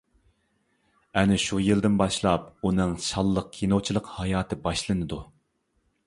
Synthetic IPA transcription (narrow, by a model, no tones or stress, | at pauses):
ɛnɪʃujɨld̪ɪnbɑʃlˠɑp̚unɨŋʃɑlˠːəq̚kʲʰinot͡ʃʰilˠəqhɑjɑːt̪ʰɨbɑʃlˠɨnɨd̪u